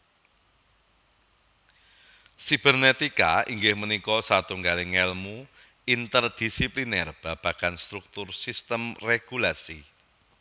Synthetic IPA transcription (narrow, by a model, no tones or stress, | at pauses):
sib̥ɛrnet̪ikaḭŋɡɪhmənikɔsat̪uŋɡalɪŋɛlmu | int̪ərd̪̥isiplinɛrb̥a̤b̥a̤kanst̪ɾuk̚t̪ʊrsist̪əmreɡ̥ulasi